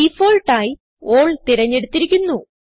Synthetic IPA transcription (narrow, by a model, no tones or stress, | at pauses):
ifoːlʈaːji | oːɭt̪iɾɐɲːe̞ɽut̪ːiɾikʲːunːu